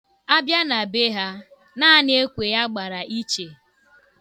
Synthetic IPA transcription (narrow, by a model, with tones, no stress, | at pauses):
a˦bja˦na˨be˦ɦa˦ | na˦a˦ne˦kʷe˨ja˦ɡ͡ba˨ɾa˨ʔi˦t͡ʃe˨